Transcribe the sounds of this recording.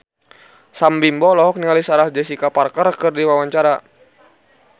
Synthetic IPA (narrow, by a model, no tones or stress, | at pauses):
sambimbɔlɔɦɔk̚niŋalisaɾasd͡ʒɛsikaparkərkɨrdiwawaɲt͡ʃaɾa